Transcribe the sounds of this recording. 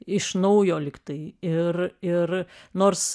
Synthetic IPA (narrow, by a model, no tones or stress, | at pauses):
ɪʃnɐʊjoːlʲɪkt̪ɐɪɪrɪrnoːrs